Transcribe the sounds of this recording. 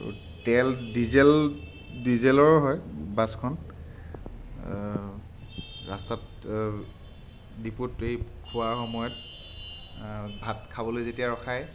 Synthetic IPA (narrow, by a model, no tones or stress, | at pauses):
tɛldizɛl | dizɛlɔɹɦɔjbaskʰɔn | ɹa̰stat | diputejkʰuaɹxɔmɔjɔt | bʱatkʰabɔlojzetijaɹɔxʰaj